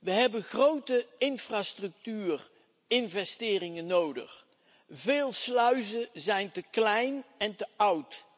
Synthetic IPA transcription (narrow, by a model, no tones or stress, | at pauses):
ʋəɦɛbənχrowtəɪnfraːstrɵk̚tyːr | ɪnvɛstɪːrɪŋənːowdə̰χ | veːlˠslœɥzəzɛjntəklɛjnɛntəʔʌwt